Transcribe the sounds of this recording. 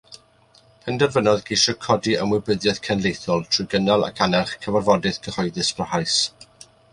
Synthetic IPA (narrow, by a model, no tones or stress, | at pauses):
pʰɛndɛrvənɔðɡeʃɔkʰɔdiəmwɪbəðjɛðkʰɛnlˠejθɔlˠtʰr̥ʊɡənalˠa̰kʰanɛrχkʰəvarvɔdɨðɡ̥ʰəhɔɨðɨsb̥rəhajs